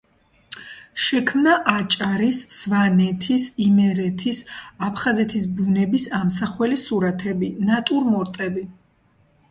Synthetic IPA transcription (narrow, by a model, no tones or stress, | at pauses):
ʃɛkʰmnaʔat͡ʃʼaɾisːvanɛt̪ʰisimɛɾɛt̪ʰisapʰχazɛt̪ʰis̬bunɛbisamsaχwɛlisuɾat̪ʰɛbinat̪ʼuɾmɔɾt̪ʼɛbi